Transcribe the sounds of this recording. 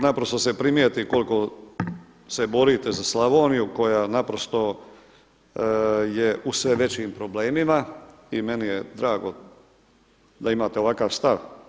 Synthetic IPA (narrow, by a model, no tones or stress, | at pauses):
napɾo̞st̪o̞se̞pɾimjet̪iko̞lko̞ | se̞bo̞ɾit̪ezaslˠaʋoːnijuko̞janapɾost̪o̞ | jeusʋe̞ʋe̞t͡ɕimpɾo̞bleːmima | ime̞nijed̪ɾaːɡo̞ | d̪aimaːt̪eo̞ʋakaːʋst̪aʋ